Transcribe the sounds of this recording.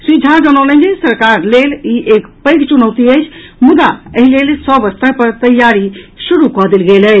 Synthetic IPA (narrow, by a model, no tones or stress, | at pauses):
sid͡ʒʱad͡ʒənənəd͡ʒesəɾkaɾleliʔekpəjɡt͡ʃunəwt̪iəjt͡ʃʰmud̪aəɦilelsɔbəst̪əpəɾt̪əjaɾisuɾukɔɦd̪elɡelə